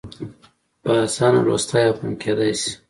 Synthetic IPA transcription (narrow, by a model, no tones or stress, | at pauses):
pəːsɑna̰ɾo̰st̪ajaχumkʰed̪ajsi̥